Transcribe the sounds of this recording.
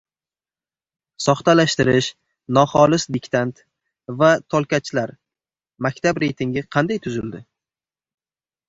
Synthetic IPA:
sɒχt̪alaʃt̪ɪɾɪʃ | nɒχɒlɪsd̪ɪkʲt̪ʰant̪ | vat̪ʰolˠkʲat͡ʃlaɾ | makʲt̪ʰabɾe̞jt̪ʰɪŋɡʲɪqʰɑnd̪ajt̪ʰʊzɪld̪ɪ

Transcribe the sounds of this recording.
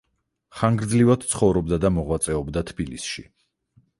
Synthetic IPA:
χaŋɡɾd̪zlivad̪̥t̪sʰχɔvɾɔbd̪ad̪amɔʁwat̪sʼɛɔbd̪at̪ʰbilisʃḭ

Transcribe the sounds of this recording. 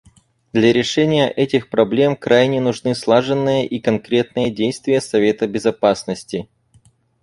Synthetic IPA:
d̪lʲɐɾʲɪʂɛnʲɪjəʔɛtʲɪxpɾɐblʲe̞mkɾajnʲɪnʊʐnɨslˠaʐɨnːɨjəʔikɐnkɾʲe̞t̪̚nɨjədʲejst̪vʲɪjəsɐvʲe̞t̪əbʲɪzɐpasnəsʲtʲɪ

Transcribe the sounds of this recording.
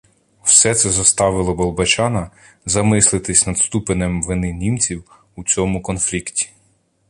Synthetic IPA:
w̥sɛt̪sɛzɐst̪ɑʋɪlˠɔbɔlˠbɐt͡ʃɑnɐ | zɐmɪslˠɪt̪ɪsʲnɐd̪st̪upenemʋɪnɪnʲimt͡sʲiw | ut͡sʲɔmʊkɔnflʲiktʲi̥

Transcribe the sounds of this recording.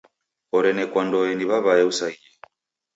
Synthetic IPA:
ɔɾɛnɛkwandɔɛniβaβaɛusaiɛ

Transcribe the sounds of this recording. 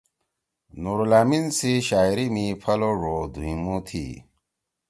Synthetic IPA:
nuɾlaːminsiɕaːjɾimipʰɐloʐod̪uĩmut̪ʰḭ

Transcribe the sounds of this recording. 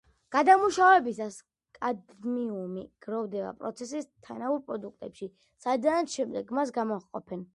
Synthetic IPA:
ɡ̥ad̪amuʃavɛbisas | kʼad̪miumiɡ̥ɾɔvd̪ɛba̰pʼɾɔ̰t̪sʰɛsist̪ʰanauɾpʼɾɔd̪uk̚ʰt̪ʼɛpʃi | sad̪anʃɛmd̪ɛɡmas̬ɡamɔqʼɔ̰pʰɛn

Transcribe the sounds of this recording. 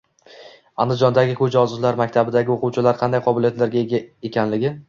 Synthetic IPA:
a̰nd̪ɪd͡ʒɒnd̪aɡʲɪkʰʊd͡ʒaɒzʊzlaɾmakʲt̪ʰabɪd̪aɡʲɪoqʊwt͡ʃʰɪlaɾqʰɑnd̪ajqʰɒbɪlijat̪laɾɡʲaeaekʲʰanlɪɡʲɪ

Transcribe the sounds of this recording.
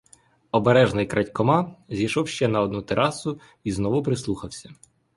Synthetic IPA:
ɔbeɾɛʒnɪjkɾɐtʲkɔmɑzʲijʃɔwʃt͡ʃɛnɐɔd̪nut̪eɾʔɑsʊ | iznɔʋʊpɾɪslˠuxɐwsʲɐ

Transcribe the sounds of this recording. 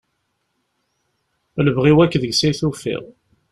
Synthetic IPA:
ləvʁiwækːðəɡsiθufḭʁ

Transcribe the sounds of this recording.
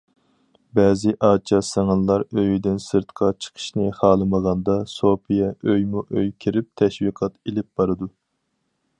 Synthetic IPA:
bɛːzɪʔɑːt͡ʃʰɑsɑŋɨnlˠɑɾøjyd̪ɪnsɨɾt̪qʰɑt͡ʃʰə̥qʰə̥ʃnɨχɑːlˠɨməʁɑnd̪ɑsopʰijɛʔøjmuʔøjkʲʰiɾɪp̚t̪ʰɛʃwiqʰɑt̪elɪp̚b̥ɑɾɨd̪u

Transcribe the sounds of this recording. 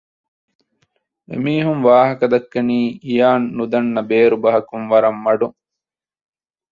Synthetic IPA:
ḛmiːɦuŋʋaːɦɐkɐd̪ɐkːɐniːijaːnːud̪ɐnːɐbeːɾubɐɦɐkunʋɐɾɐmːɐɖuŋ

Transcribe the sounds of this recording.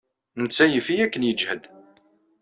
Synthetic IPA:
nət͡sːæjəfijækːənjəd͡ʒhəd̪

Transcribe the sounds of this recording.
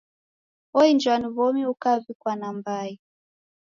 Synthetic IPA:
ɔind͡ʒwaniβɔmiukavikwanambai

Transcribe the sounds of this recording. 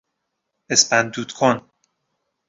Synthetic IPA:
espænd̪uːd̪̥kʰon

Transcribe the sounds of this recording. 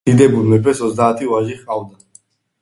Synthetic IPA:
id̪ɛbuɾmɛpʰɛsɔzd̪aːt̪ʰivaʒiχqʼavd̪a

